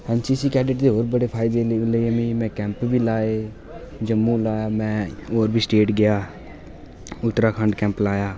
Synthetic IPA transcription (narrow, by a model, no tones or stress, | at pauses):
ɛ̃ːnsiːsiːkɛːɖɪʈd̪eːoːɾbəɽeːpʰaːɪd̪eːləiəmĩːmɛ̃ːkɛ̃ːmpbʱiːlaːeː | d͡ʒəmːũːlaːjaːmɛ̃ːoːɾbʱiːsʈeːʈɡɪjaː | ʊt̪ːɾaːkʰəɳɖkɛ̃ːmplaːjaː